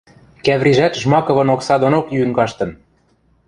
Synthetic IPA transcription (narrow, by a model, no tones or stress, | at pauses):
kæβɾiʒæt̪ʒmɑkɤ̆βɤ̆noksɑd̪onokjyŋɡɑʃt̪ɤ̆n